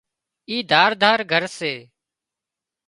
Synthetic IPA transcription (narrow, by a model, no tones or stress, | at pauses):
iːd̪ʱaːɾd̪ʱaːɾɡʱəɾseː